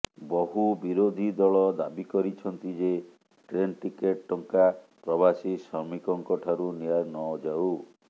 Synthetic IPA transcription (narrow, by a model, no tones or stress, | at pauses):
bɔɦubiɾod̪ʱid̪ɔɭɔd̪abikɔɾit͡ʃʰɔnt̪id͡ʒe | ʈɾenʈikeʈ̚ːɔŋkapɾɔbasisɔɾmikɔŋkɔʈʰaɾunijaɾnɔd͡ʒaw